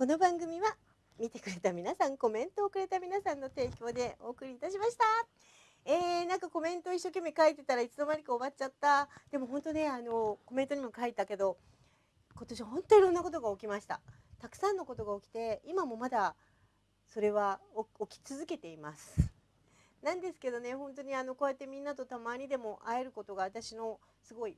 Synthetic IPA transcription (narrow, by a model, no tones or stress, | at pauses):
ko̞no̞bãŋɡɯ̟mʲiβa | mʲit̪e̞kɯ̟ɾe̞t̪amʲinasãŋko̞mẽ̞nt̪o̞ːkɯ̟ɾe̞t̪amʲinasãnːo̞t̪e̞ːkʲo̞ːd̪e̞o̞ːkɯ̟ɾʲiːt̪aɕimaɕi̥t̪a | eːnãŋkako̞mẽ̞nt̪o̞iɕːo̞ːk̬ʲe̞mːikait̪e̞t̪aɾait͡sɨd̪o̞maɾʲikɯoβat͡ɕat̪ːad̪̥e̞mo̞ɦõ̞nt̪o̞ne̞ano̞ko̞mẽ̞t̪o̞ɲ̟imo̞kait̪ake̞d̪o̞ | ko̞t̪o̞ɕiβaɦõ̞nt̪o̞iɾo̞nːako̞t̪o̞ɡaokʲimaɕi̥t̪a̰t̪akɯ̥sãnːo̞ko̞t̪o̞ɡao̞kʲi̥t̪e̞imamo̞mad̪a | so̞ɾe̞βaookʲi̥t͡sɨzɨke̞t̪e̞imasɨ̥ | nãnd̪e̞sɨ̥ke̞d̪o̞ne̞hõ̞nt̪o̞ɲ̟iano̞ko̞ːjat̪ːe̞mʲĩnːat̪o̞t̪amaɲ̟id̪e̞mo̞ʔaeɾɯ̟ko̞t̪o̞ɡaβat̪aɕino̞ | sɨɡo̞i